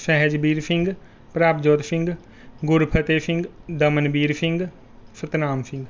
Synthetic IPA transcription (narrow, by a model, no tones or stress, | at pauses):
sɛɦɛd͡ʒbiːɾpʰɪ̃ŋɡ | pɾaːpd͡ʒoːt̪pʰɪ̃ŋɡ | ɡʊɾpʰət̪eːpʰɪ̃ŋɡd̪əmənbiːɾpʰɪŋɡ | sət̪naːmsʰɪ̃ŋɡ